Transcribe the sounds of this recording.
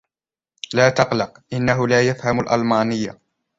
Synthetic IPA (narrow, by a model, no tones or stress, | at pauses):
laːt̪ɑqlɑqʔɪnːaɦʊlaːjafhamʊlʔɑ̰lmaːnɪjːa̰